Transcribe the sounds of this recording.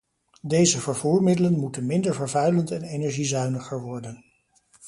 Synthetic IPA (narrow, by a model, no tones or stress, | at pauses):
dejzəvəɹvuːɹmɪdələnmutənmɪndəɹvəɹvœɥləntɛnenɛɹʒizœɥnəχəɹʋɔɹdən